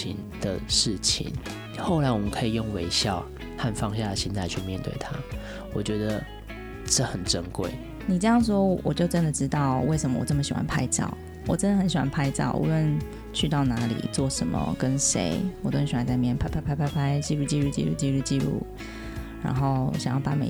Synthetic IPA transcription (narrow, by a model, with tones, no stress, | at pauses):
i˧˦n | d̪̥ə˨ʂɻ̩˥˩t͡ɕʰḭ˨˩˦n | xo˥˩ʊla˧˦ɪwɔ˨mə˦nkʰə˧˦˥i˨˩jo˥˨˩ŋwe˧˥ɪɕjɑ˥˨ʊ | ha˥˨nfɑ˥˧ŋɕ̬ja˥˨d̪ə˨ɕi˦nt̪ʰa˥˧ɪt͡ɕʰy˥˧mjɛ˥˧nt̪wḛ˥˩ɪt̪ʰa˦ | wɔ˨t͡ɕɥɛ˧˥d̪ə˧˨ | ʈ͡ʂə˥˨xə˨˩nʈ͡ʂə˦nkwḛ˥˨˩ɪ | ni˨˩ʈ͡ʂə˥˧jɑ˥˩ŋʂ̬wɔ˥wɔ̰˨˩t͡ɕjo˥˩ʊʈ͡ʂə˦nd̪ə˨ʈ͡ʂɻ̩˥t̪ɑ˥˩ʊwe˥˩ɪʂə˧˦mə˧˨wɔ̰˨˩ʈ͡ʂə˥˩mə˩ɕi˨˩wa̰˧˦npʰa˥ɪt͡ɕɑ̰˥˨˩ʊ | wɔ˨˩ʈ͡ʂə˥nd̪ə˨xə˧˦nɕi˨˩wa̰˧˥npʰa˥ɪt͡sɑ˥˩ʊʔṵ˧˦lwə˥˧˨n | t͡ɕʰy˥˧t̪ɑ˥˩ʊna˧˥lḭ˨˩t͡swɔ˥˩ʂə˧˦nmə̰˧kə˦˥nʂḛ˧˦ɪwɔ˨˩t͡ɕə˥˧˨ɕwa˦nt͡sa˧ɪmjɛ˥˩npʰa˥ɪpʰa˥˧pʰa˥pʰa˥ɪpʰa˥ɪt͡ɕi˥˧ɻu˥˧t͡ɕi˥˧ɻu˥˩t͡ɕḭ˥˧ɻu˥˧˩t͡ɕi˥˧ɻu˥˧t͡ɕi˥˧ɻṵ˥˩ | ɻa̰˧˥nxo˥˩ʊɕjŋjɑ˥˩pa˥˩mḛ˨˩